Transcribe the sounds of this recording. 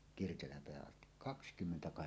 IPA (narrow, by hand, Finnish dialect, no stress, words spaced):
kirkelæmpeæhæʔ ʔɑsti kɑkskymːentækɑheksɑh